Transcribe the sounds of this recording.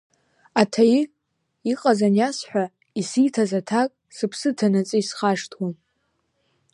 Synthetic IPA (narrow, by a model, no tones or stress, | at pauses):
atʰaji | iqʼazanjasħᶣʷa | isijtʰazatʰakʼ | sɨpʰsɨtʰanat͡sʼɨisχaʂtʰwam